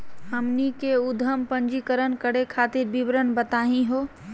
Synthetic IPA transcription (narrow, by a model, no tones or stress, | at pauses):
ɦəmnikeud̪ʱəmpənd͡ʒikəɾənkəɽekʰat̪iɾbibɾənbət̪aɦĩɦo